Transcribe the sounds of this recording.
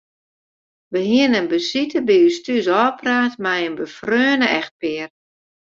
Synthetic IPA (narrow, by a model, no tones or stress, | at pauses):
ʋəɦiənənbəsitəbiystysɔːpraːtmɛjənbəfrøːnəʔɛxt̚pɪər